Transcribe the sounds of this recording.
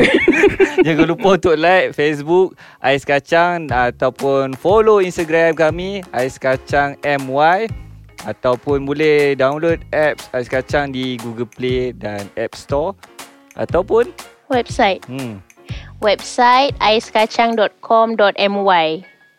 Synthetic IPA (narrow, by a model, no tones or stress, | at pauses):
d͡ʒaɡalupaunt̪ʊʔlajt̚fes̬buk̚ | ʔajskat͡ʃaŋat̪awpʊnfoloinst̪aɡɾamkamiajskat͡ʃaŋɛmwajat̪awpʊnbulɛhdawnlodɛp̚sajskat͡ʃaŋdiɡuɡəlpledanɛp̚st̪ɔ | ʔa̰t̪awpʊn | wɛp̚sajt̪̩̚ | wɛp̚sajt̪̚ajskat͡ʃaŋdɔt̪̚kʰɔmdɔt̪ɛmwaj